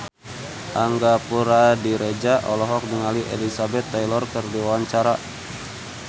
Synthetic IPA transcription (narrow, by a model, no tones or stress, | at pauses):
ʔaŋɡapuɾadiɾed͡ʒaʔɔlɔɦɔk̚dəŋaliʔḛlisabɛt̪ːajlɔrkərdiwawaɲt͡ʃaɾa